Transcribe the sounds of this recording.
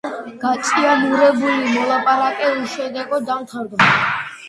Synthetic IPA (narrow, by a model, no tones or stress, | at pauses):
ɡ̥at̪sʼianuɾɛbulimɔlˠapʼaɾakʼɛliʃɛd̪ɛɡɔd̪amt̪ʰaɾd̪ɔ